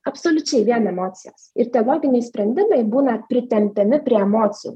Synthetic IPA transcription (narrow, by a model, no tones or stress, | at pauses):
ɐpsoːlʲʊt͡ʃʲɛɪʋʲiɛnɛmoːt̪sʲɪjɛ̰ːsɪɾt̪ʲɛolˠoːɡʲɪnʲɛɪsʲpʲɾʲɛnʲd̪ʲɪmɐɪbuːnɐpʲɾʲɪt̪ʲɛmʲt̪ʲɛmʲɪpʲɾʲiɛɛmoːt̪sʲɪjṵː